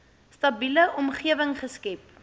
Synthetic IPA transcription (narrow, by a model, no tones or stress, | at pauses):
stɐbiləʔɔmχiəvəŋχəskɛp̚